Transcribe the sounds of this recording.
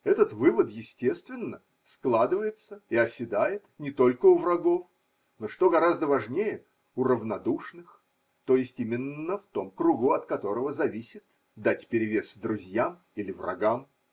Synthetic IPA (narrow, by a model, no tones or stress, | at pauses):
ɛt̪ət̪vɨvət̪jɪsʲtʲe̞st̪vʲɪnːə | sklˠad̪ɨvəjɪt̪səiɐsʲɪd̪ajɪt̪nʲɪt̪o̞lʲkəʊvrɐɡo̞f | noʂt̪o̞ɡɐɾazd̪əvɐʐnʲejə | ʊrəvnɐd̪uʂnɨx | t̪o̞jɪsʲtʲimʲɪnːəft̪o̞mkɾuɡʊɐt̪kɐt̪o̞ɾəvəzɐvʲisʲɪt̪ | d̪atʲpʲɪɾʲɪvʲe̞sd̪ɾʊzʲjam | ilʲɪvrɐ̰ɡam